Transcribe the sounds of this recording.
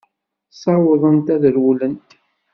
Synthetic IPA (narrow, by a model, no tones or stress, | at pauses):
sˤɑwəðˤənt̪æðəɾwulənt̪